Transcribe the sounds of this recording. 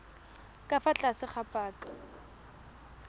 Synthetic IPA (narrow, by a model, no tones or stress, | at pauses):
kʼafat͡ɬʼasɪχapʼaːkʼa